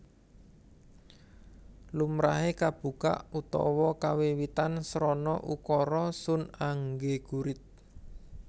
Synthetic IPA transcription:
lumɾaɦekab̥ṳka̰ʔut̪ɔ̰wɔkawiwit̪ansɾɔnɔʔukɔɾɔsʊnaŋɡeɡ̥uɾɪt̪̚

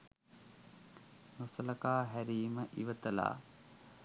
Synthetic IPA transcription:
nusələkaːɦæɾiːməʔiʋət̪əla̰ː

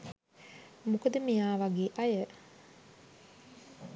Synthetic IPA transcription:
mukəd̪əmijaːʋaɡeːʔɐjə

